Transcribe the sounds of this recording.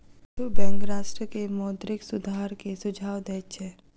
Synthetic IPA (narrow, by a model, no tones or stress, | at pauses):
tubɛ̃ːŋkɾaːʃʈɾəkemɔːt̪ɾɪksʊd̪ʱaːɾkesʊd͡ʒʱaːwd̪ɛːt͡ʃʰɛː